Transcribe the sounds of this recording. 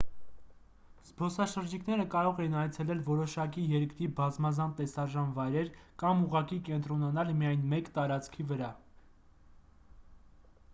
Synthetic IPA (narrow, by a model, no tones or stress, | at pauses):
z̥bɔsɑʃəɾd͡ʒikʰnɛɾəkɑɾɔʁɛinɑjt͡sʰɛlɛlvɔɾɔʃɑkijɛɾkɾibɑzmɑzɑnt̪ɛsɑʒɑnvɑjɾɛɾkɑmuʁɑkikɛnt̪ɾɔnɑnɑlmijɑjnmɛkt̪ɑɾɑt͡skʰivəɾɑ